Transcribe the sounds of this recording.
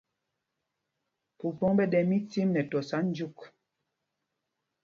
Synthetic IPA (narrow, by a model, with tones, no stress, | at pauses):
pu˨pɔ˦ŋbɛ˦dɛ˨mi˦ti˦mnɛ˨tɔ˨sa˦n̩˦d͡ʒu˦k